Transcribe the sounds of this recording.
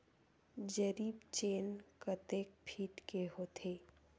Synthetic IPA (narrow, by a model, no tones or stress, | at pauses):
d͡ʒəɾiːbt͡ʃeːnkət̪eːk̚pʰiːʈkeɦot̪ʰeː